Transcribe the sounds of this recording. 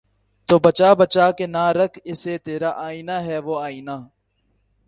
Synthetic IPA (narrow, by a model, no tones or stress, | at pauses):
t̪oːbət͡ʃaːbət͡ʃaːkeːnaːɾəkʰɪseːt̪eːɾaːʔaːiːnaːɦɛːʋoːaːiːnaː